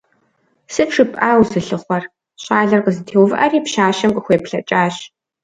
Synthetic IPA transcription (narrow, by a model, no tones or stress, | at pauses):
sɨpʂɨpʼʔaːwzɨɬɨχʷɐr | ɕaːɮɐrqəzɨtʰeːwvɨʔɐriːpʃaːʃɐmqʷʼəxʷeːpɬɐt͡ʃʼaːɕ